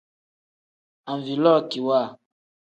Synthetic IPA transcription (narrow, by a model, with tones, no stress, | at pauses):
a˨ɱvi˨lɔ˦˨ki˨wa˦˨